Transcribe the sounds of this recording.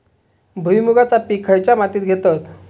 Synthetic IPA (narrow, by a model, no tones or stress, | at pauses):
bʱujmuɡat͡sapikʰajt͡ɕjamat̪iːt̪̚ɡʱet̪at̪